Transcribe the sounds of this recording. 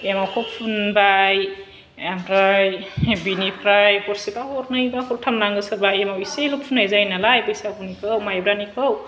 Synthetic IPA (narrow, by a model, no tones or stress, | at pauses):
emawkʰɔpʰunbaj | amɾajbinipʰɾajpɔɾsibahɔɾnɯjbakʰɔɾtʰamnaŋɡɯsɯɾbajemawiselupʰunːajzajnalajbɯisapʰunikʰɯwmajbɾanikʰɯw